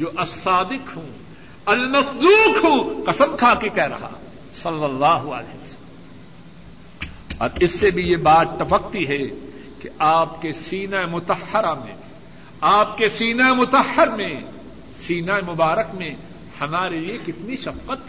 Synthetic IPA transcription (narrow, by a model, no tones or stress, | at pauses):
d͡ʒoːʔɐsːaːd̪ɪqɦũː | ɐlmɐsd̪uːqɦõːqɐsəmkʰaːkekɛɦɾɐ̰ɦa̰ | sɐlːɐlːaːɦʊɐ̰lḛːʋɐsɐl | ɔ̰ːɾɪsːebʱijebaːt̪ːɐfɐq̚t̪iɦɛ | keaːpkesiːnaemʊt̪ɐhːɐɾamḛ̃ | aːp̚kesiːnaemʊt̪ɐhːəɾmẽ | siːnaemʊbaːɾəkmẽ | hɐmaːɾeliekɪt̪niʃɐfqət̪